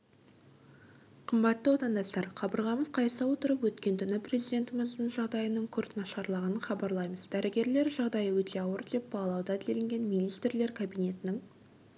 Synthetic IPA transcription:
qʰəmbɑt̪ːəwot̪ɑnd̪ɑst̪ɑɾqʰɑbəɾʁɑməzqʰɑjsəwo̞t̪əɾəpwɵt̪kʲe̞nt̪ʰʏnɪprʲezijd̪e̞nt̪ɪməzd̪əɴʒɑʁd̪ɑjənəɴkʲʰʏɾt̪nɑʃɑɾlˠɑʁɑnəχɑbɑɾlˠɑjməzd̪æɾɪɡʲe̞ɾle̞ɾʒɑʁd̪ɑjəwɵt̪ʰe̞ɑwəɾd̪e̞p̚bɑlˠɑwd̪ɑd̪ɪlelɪŋɡʲe̞nmijnijst̪rle̞ɾkʰabijne̞t̪ɪnɪŋ

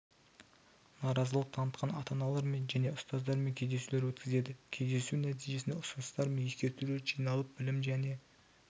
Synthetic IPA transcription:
nɑɾɑzəlˠəq̚t̪ʰɑnət̪qʰɑnɑt̪ɑnɑlˠɑɾme̞nʒæne̞ʊst̪ɑzd̪ɑɾme̞ŋkʲʰezd̪e̞sule̞ɾwɵt̪kʲɪze̞d̪ɪkʲʰe̞jd̪e̞sunæt̪̬ijʒe̞sɪneʊsʊnəst̪ɑɾmejeskʲe̞ɾt̪ule̞ɾʒijnɑlˠəp̚bɪlɪmʒæne̞

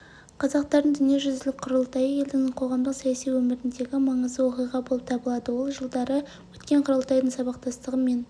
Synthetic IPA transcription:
qʰɑzɑq̚t̪ɑɾd̪ənd̪ʏnije̞ʒʏzd̪ɪlɪk̚ʲqʰʊɾəlˠt̪ɑjəje̞ld̪ɪŋqʰo̞ʁɑmd̪əqsɑjɑsijwɵmɪɾɪnd̪e̞ɡʲɪmɑɴəzd̪əwo̞qijʁɑbolˠəp̚t̪ʰɑbəlˠɑd̪əwo̞lˠʒəlˠd̪ɑɾə | wɵt̪kʲe̞ɴqʰʊɾəlˠt̪ɑjd̪əɴsɑbɑq̚t̪ʰɑst̪əʁəme̞n

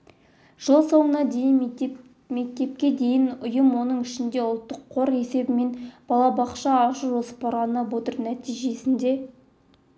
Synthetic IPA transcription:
ʒ̥əlˠso̞ɴənɑd̪ejɪn | me̞k̚t̪e̞p̚kʲe̞d̪e̞jɪnʊjəmwo̞nəɴɪʃɪnd̪e̞ʊlˠt̪ːəqʰːo̞ɾe̞se̞bɪme̞nb̥ɑlˠɑbɑqʃɑːʃəʒo̞sə̥pɑɾʁɑnəbo̞t̪əɾnæt̪ijʒe̞sɪnd̪e̞

